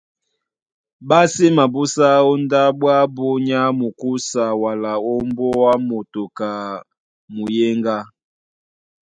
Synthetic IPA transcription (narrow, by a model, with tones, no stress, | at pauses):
ba˦si˦ma˨bu˦sa˦ɔ˦nda˦bwa˦bo˦ɲa˦mu˨ku˦sa˨wa˨la˨o˦mbɔ˦a˦mo˨to˨ka˨ | mu˨je˦ŋɡa˦